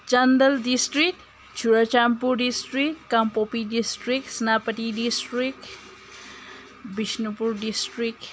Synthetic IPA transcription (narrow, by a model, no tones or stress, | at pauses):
t͡ʃɐnd̪əldisʈɾik | t͡ʃʰuɾat͡ʃampuɾɖisʈɾikkampopidisʈɾiksinapətidisʈɾik | bisnupuɾɖisʈɾik̚